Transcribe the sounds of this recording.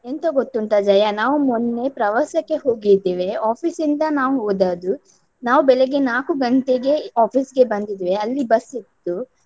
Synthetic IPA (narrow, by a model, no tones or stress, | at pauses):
ent̪ɐɡot̪ːunt̪ɐd͡ʒɐjɐnaːʋumunːe̞pɾɐʋɐsɐkːe̞ɦoːɡid̪iːʋe̞aːpʰisind̪ɐnaːʋuɦoːd̪aːd̪u | naːʋubɛleɡenaːkuɡɐɳʈ̪eɡe̞aːpʰiːsɡe̞bɐnd̪id̪iʋeɐlːibɐsit̪ːu